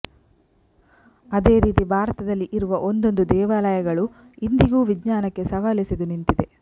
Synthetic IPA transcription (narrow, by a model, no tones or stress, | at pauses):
ɐd̪e̞ːɾiːt̪ibʱaːɾɐt̪ɐd̪ɐlːiʔiɾuʋɐʔond̪o̞nd̪ud̪ɛːʋaːlɐjɐɡɐɭu | ind̪iɡuːʋiɡɲaːnɐkːe̞sɐʋaːlisɐd̪unint̪id̪e̞